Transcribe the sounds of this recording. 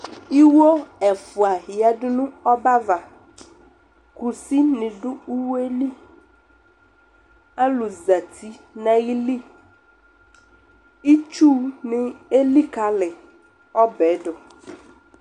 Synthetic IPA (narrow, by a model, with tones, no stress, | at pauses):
i˦wo˦ɛ˨fʊ˨a˨hi˨a˨ɖʊ˦nʊ̃˦ɔ˦ba˦va˨ | ku˨si˦nɪ̃˨ɖʊ˦u˦we˦li˦ | a˦lʊ˨za˨tʰi˦nã˦ɣi˦li˦ | i˦t͡ʃu˦nɪ̃˦e˦li˦ka˨lɪ˨ | ɔ˦bɛ˨˦dɔ˨